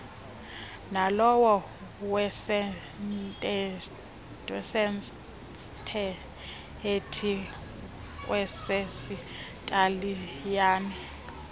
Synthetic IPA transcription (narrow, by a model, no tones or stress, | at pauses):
nalɔwɔ | wɛsɛ | ntʼɛ | wɛsɛn | tʰɛ | etʰi | wʔɛsɛsi | tʼalijaːnɛ